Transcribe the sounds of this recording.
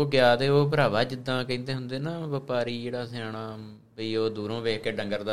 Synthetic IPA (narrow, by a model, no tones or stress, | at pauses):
oːɡjaːt̪eːoːpəɾaːʋaːd͡ʒɪd̪ːãːkəĩːnt̪eːɦʊnd̪eːnaːʋəpaːɾiːd͡ʒeːɽaːsaːɽ̃aː | biːoːd̪uːɾõːʋeːkːeːɖə̃ŋɡəɾd̪aː